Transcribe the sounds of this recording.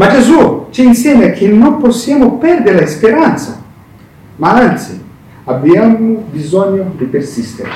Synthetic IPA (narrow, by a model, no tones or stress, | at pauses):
mad͡ʒezut͡ʃiːnsjɛmakʰːinːomposːjamopɛrd̪eɾelaispeɾant̪sa̰ | maant̪si | abiamobizɔɲːod̪ipersist̪eɾe